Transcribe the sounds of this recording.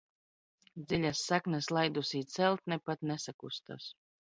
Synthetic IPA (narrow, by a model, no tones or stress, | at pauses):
d̪zilʲasːaknɛslˠajd̪usiːt̪sɛlˠt̪nɛpat̪nɛsakust̪a̰s